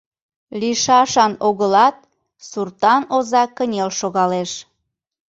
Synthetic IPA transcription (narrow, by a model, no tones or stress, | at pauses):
liʃɑʃɑnoɣəlɑt̪̚ | surt̪ɑnozɑkənʲelʃoɣɑleʃ